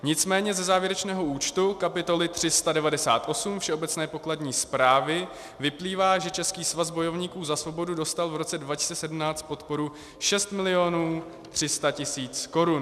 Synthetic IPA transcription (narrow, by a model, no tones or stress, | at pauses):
ɲɪt͡smɛːɲɛzɛzaːvjɛɾɛt͡ʃnɛːɦo̞ʔuːt͡ʃt̪ukapɪt̪o̞lɪt̪r̝̥ɪst̪adɛvadɛsa̰ːt̪ʔo̞sumfʃɛʔobɛt͡snɛːpo̞kladɲiːspɾaːvɪ | vɪpliːvaːʒɛt͡ʃɛskiːsvazbo̞jo̞vɲiːkuːzasvo̞bo̞dudo̞st̪alvɾo̞t͡sɛdvacɪ̥st͡sɛsɛdm̩naːt͡st̪̚po̞t̪po̞ɾu | ʃɛst̪mɪlɪo̞nuː | t̪r̥ɪst̪acɪsiːt͡sko̞ɾun